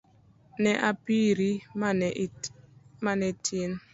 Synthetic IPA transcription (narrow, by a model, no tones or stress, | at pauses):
nɛʔapiɾim | manɛtʰin